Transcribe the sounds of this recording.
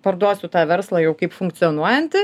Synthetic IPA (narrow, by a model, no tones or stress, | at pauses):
pɐɾd̪uɔsʲʊt̪ɑːʋʲɛɾslˠɑːjɛʊkɐɪpfʊŋktsʲɪɔnuɔjɛnʲt̪ʲɪ